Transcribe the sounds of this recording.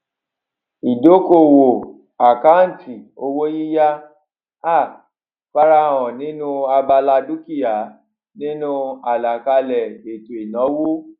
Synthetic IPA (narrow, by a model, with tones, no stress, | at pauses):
i˨do˨˦ko˦˨wo˨ | a˨ka˦n̩˨ti˨o˧wo˦ji˦ja˦ | a˦˨ | fa˧ɾã˧˦˨ɔ̃˨nĩ˨˦nũ˦a˧ba˧la˧du˦ki˦ja˨˦ | nĩ˦nũ˦a˨la˨ka˧lɛ˨e˨to˨i˨nɔ̃˨˦wo˦